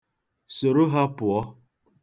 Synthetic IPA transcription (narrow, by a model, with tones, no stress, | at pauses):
so˨ɾo˦ɦa˦pʊ˨ɔ˦